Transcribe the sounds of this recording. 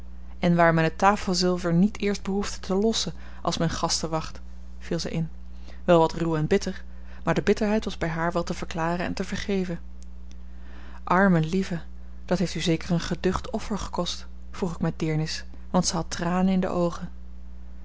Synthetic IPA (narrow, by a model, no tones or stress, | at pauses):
ɛnʋaːɹmɛnətaːfəlˠzɪlˠvəɹnitʰɪːɹsd̚bəɦufdə̥tʰəlɔsən | ʔɑlˠsmɛjnχɑstəʋɑχt | filˠzɛ̰jʔɪn | ʋɛlˠʋɑtruwɛnbɪtəɹ | maːɹdəbɪtəɹɦɛjtʋɑzbɛjɦaːɹʋɛlˠtəv̥əɹklaːrənɛ̰ntəvəɹχejvən | ʔɑɹməlivə | d̥ɑtɦejftyzejkəɹənχədɵχtɔfəɹχə̥kɔst | fruχɪkmɛdɪːɹnɪs | ʋɑntsəɦɑtraːnənɪndə̰ʔowχən